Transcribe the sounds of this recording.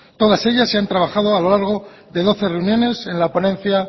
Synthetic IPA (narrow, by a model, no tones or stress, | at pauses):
t̪o̞ð̞ase̞ʝasːe̞ant̪ɾaβ̞axað̞o̞alo̞laɾɣ̞o̞ | ðe̞ðo̞θe̞re̞unjone̞se̞nlapo̞nẽ̞nθja